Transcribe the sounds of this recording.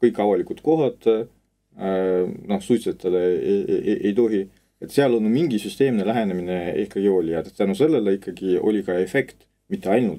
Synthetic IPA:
kɤjkːˑɑvɑlikut̪ko̞ɦɑt̪ | no̞hsujt̪set̪ʰːˑele | ʔejt̪o̞ɦi | e̞t̪seɑlo̞nːumiŋɡisyst̪e̞ːmnelæɦe̞nemineihkːˑɑɡ̥io̞ːlʲijɑd̪et̪t̪ænuse̞lːe̞leikːˑɑɡio̞̰lʲikɑe̞fe̞kt̪ | mit̪ːe̞ɑjnult̪ːˑ

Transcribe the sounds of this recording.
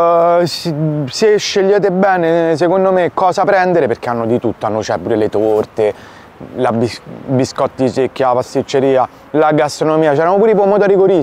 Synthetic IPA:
sseʃːeʎːeːt̪̬ebɛːnes̬ekond̪omekːɔːzapɾɛnd̪eɾeperk̟eanːod̪it̪ut̪ːoanːot͡ʃɛpuːɾelet̪ort̪e | labibiskɔt̪ːd̪isekːjalapast̪it͡ʃːeɾiːa | laɡast̪ɾonomiːat͡ʃɛɾamopuɾeipomot̪oɾiɡoɾi

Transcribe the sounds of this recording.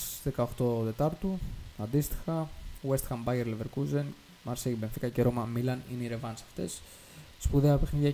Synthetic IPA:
ðekɐo̞xt̪o̞t̪e̞t̪ɐɾt̪uɐnd̪ist̪i̥xɐwest̪i̥xɐmbɐʝeɾleveɾkuzen | mɐɾseibenθikɐceɾomɐmilɐnineiɾe̞vɐnsɐ̥ft̪e̞̰sː | puðe̞ɐpe̞xniðʝɐ

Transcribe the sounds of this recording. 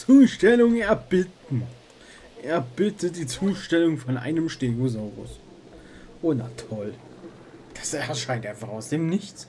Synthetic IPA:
t͡suːʃtɛlʊŋɛɐbɪtn̩ | ʔɛɐb̥ɪtʰəd̥iːt͡suːʃtɛlʊŋfɔnʔa̰ɪnəmʃteːɡozaʊʁʊ̰s | ʔoːnatʰɔl | d̥ḁsɛɐʃaɪnteːfɔʁaʊsd̥eːmnɪçt͡s

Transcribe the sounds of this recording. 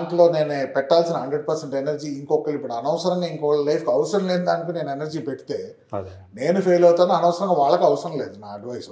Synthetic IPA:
aɳʈlo̞ːne̞ːnepɛʈːaːlsinɐɦɐɳɖɾeɖ̚pɐɾseɳʈenɐɾd͡ʒiːiŋkɔkːɐɭipːuɽuɐnɐʋɐsɐɾɐŋɡaːiŋkɔkɐɭɐlɐjpkɐʋɐsɐɾɐmleːnd̪aːnikune̞ːnenɐɾd͡ʒiːpeʈːi̥t̪e̞ː | ne̞ːnupʰejlɐwt̪aːnːiɐnɐʋɐsɐɾɐŋɡaːʋaːɭːɐkɐʋɐsɐɾɐmleːd̪unaːɐɖʋɐjs

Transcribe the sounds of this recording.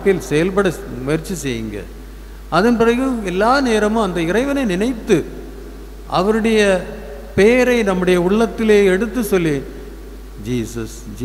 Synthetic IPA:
kːɪlsɛjɐlpɐɽɐ | mɛɾt͡ʃːɯsɛjːɯŋɡɐ̰ | ɐðɐnpɪrɐɣɯɛlːaːneːɾɐmʊ̃ɐnd̪ɐɪɾɐɪʋɐnɐɪnɪnɐɪt̪ːɯ | ʔɐʋɐɾɯɽɐjɐ | peːɾɐɪnɐmːɯɽɐjɐʊɭːɐt̪ːɪleːɛɽɯt̪ːɯsɔlːi | d͡ʒiːsɐ̰s | d͡ʒ

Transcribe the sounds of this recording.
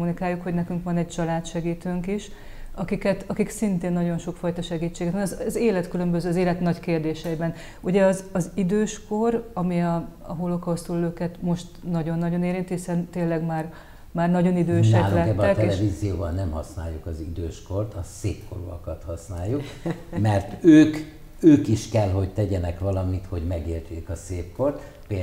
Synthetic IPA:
munikaːjːukhoɟnɛkyŋkʋɒnɛɟ̚t͡ʃɒlaːt̪ʃɛɡiːt̪øːŋkiʃ | ɒkikɛt̪ɒkiksint̪eːnːɒɟo̞nʃo̞kfɒjt̪ɒʃɛɡiːt͡ʃːeːɡɛt̪ɛnɒzzeːlɛt̪kylø̞mbø̞zøːzeːlɛt̪nɒckeːrd̪eːʃɛibɛn | uɟɛɒzɒzid̪øːʃko̞rɒmiɒɒ̰ɦolːokɒɦost̪ulːøːkɛt̪mo̞ʃt̪nɒɟo̞nːɒɟo̞neːɾint̪hisɛnt̪eːlːɛɡmaːr | maːrnɒɟo̞nid̪øːʃnɛkːlulɛkɛbːɛɛkt̪ɛlɛvizijoːbɒnːɛmhɒsnaːjːukɒzid̪øːʃko̞rt̪ɒseːpko̰ɾuɒkɒt̪hɒsnaːjːukmɛrt̪øːk | øːkiʃkɛlɦo̞ɟt̪ɛɟɛnɛkʋɒlɒmit̪ho̞ɟmɛɡeːlt͡ʃ̪eːkɒseːpko̞rt̪ | pe

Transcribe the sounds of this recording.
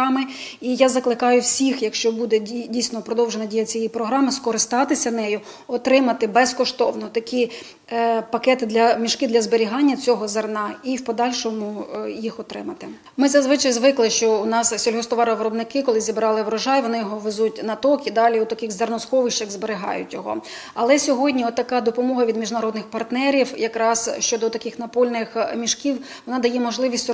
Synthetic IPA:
ɑmɪ | ijazɐklˠɪkɑjʊwsʲixjɐkʃt͡ʃɔbud̪ɛdʲijsʲnɔpɾɔd̪ɔwʒenɐdʲijɐt͡sʲijipɾɔɦɾɑmɪskɔɾɪst̪ɑt̪ɪsʲɐnɛjʊ | ɔt̪ɾɪmɐt̪ɪbɛskɔʃt̪ɔwnɔt̪ɐkʲi | pɐkɛt̪ɪd̪lʲɐmʲiʃkɪd̪lʲɐzbeɾʲiɦɑnʲːɐt͡sʲɔɦɔzernɑiwpɔd̪ɑlʲʃɔmʊjixɔt̪ɾɪ̰mɐt̪ɪ | mɪzɐzʋɪt͡ʃɐjzʋɪklˠɪʃt͡ʃɔʊnɑssʲɔlʲɦɔst̪ɔʋɑɾɐʋɾɔbnɪkɪkɔlˠɪzʲibɾɑlˠɪʋɾɔʒɑjʋɔnɪjɔɦɔʋezutʲnɐt̪ɔkid̪ɑlʲiut̪ɐkɪxzernɔsxɔʋɪʃt͡ʃɐxzbeɾeɦɑ̰jʊ̰tʲjɔɦɔ̰ | ɐlˠɛsʲɔɦɔdʲnʲiɔt̪ːɐkɑd̪ɔpɔmɔɦɐʋʲid̪mʲiʒnɐɾɔd̪nɪxpɐrt̪nɛɾʲiwjɐkɾɑsʃt͡ʃɔd̪ɔt̪ɐkɪxnɐpɔlʲnɪxmʲiʃkʲiw | ʋɔnɑd̪ɐjɛmɔʒlˠɪʋʲisʲtʲ

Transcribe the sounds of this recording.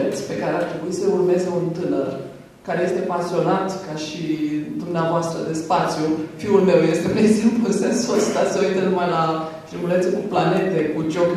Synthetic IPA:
et̪sʲpe̞kaɾeart̪ɾe̞buisəurme̞zeunt̪ɨnər | kaɾeje̞st̪e̞pasio̞nat̪kaʃid̪umneavoast̪ɾə̰d̪e̞spat̪sijufiulme̞wje̞st̪emejsimplunsensəst̪asəouut̪ənumajla | t̪ɾimulet̪sikuplane̞t̪e̞kud͡ʒo̞k

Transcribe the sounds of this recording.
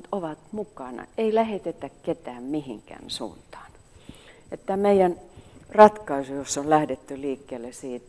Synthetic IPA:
t̪oʋɑt̪mukɑnɑ̰eilæhet̪et̪ækket̪æːmmihḭŋkæ̰nsṵːnt̪ɑ̥ːn | et̪ːæmeijænrɑt̪kɑisujosːollæhdet̪ːyliːkːeːlːesiːt̪

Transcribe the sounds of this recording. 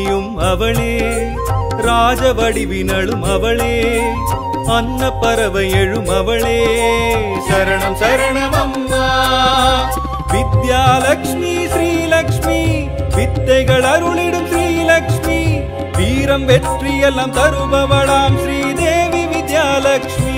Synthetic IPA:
jumɐʋɐɭeː | ɾaːd͡ʒɐʋɐɽiʋinɐɭumɐʋɐɭeː | ɐnːɐpɐɾɐʋɐjeɻumɐʋɐɭeː | sɐɾɐɳɐmsɐɾɐɳɐʋɐmː | ɐ | ʋid̪jaːlɐkʂmiʃɾiːlɐkʂmi | ʋid̪ːɐjɡɐɭɐɾuɭiɽuʃɾiːlɐkʂmi | ʋiːɾɐmʋetɾiːjɐlːɐmt̪ɐɾubɐʋɐɭaːmʃɾiːd̪eːʋiʋid̪jaːlɐkʂmi

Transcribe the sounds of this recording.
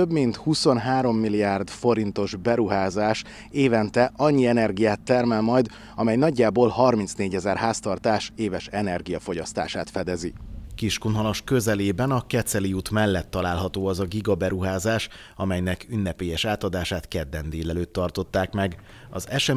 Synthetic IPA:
øbmint̪huso̞nɦaːɾo̞mːiliaːrd̪fo̞ɾint̪o̞ʒbɛɾuɦaːzaːʃ | eːvɛnt̪ɛʔɒɲːiɛnɛrɡijaːt̪ːɛrmɛlmɒjd̪ | ɒmɛjnɒɟːaːbolɦɒrminsneːɟɛzɛrhaːst̪ɒrt̪aːʃeːvɛʃɛnɛrɡijɒfo̞ɟɒst̪a̰ːʃaːt̪fɛd̪ɛzikiʃkunɦɒloʃkøzɛleːbɛnɒkɛt̪sɛliuːt̪mɛlːɛt̪ːɒlaːlɦɒt̪oːɒzɒɡiɡɒbɛɾuɦaːzaːʃ | ɒmɛjnɛkynːɛpeːjɛʃaːt̪ɒd̪aːʃaːt̪kɛd̪ːɛnd̪eːlɛløːt̪ːɒrt̪o̞t̪ːaːkmɛɡ | ɒzɛʃɛ

